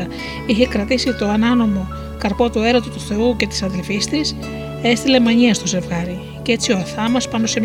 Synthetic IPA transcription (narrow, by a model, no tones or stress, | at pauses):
ɐ | içe̞kɾɐt̪isit̪o̞ɐnɐno̞mo̞ | kɐɾpo̞t̪ue̞ɾot̪ot̪uθe̞uce̞t̪i̥sɐnðelfist̪is | e̞st̪ile̞mɐɲiɐst̪o̞se̞vɣɐɾi | ce̞t͡sio̞ɐθɐmɐspɐno̞se̞m